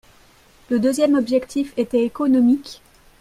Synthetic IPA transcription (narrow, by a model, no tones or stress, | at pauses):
ləd̪øzjɛmɔbʒɛkt̪ʰifet̪ɛekɔnɔmikʲ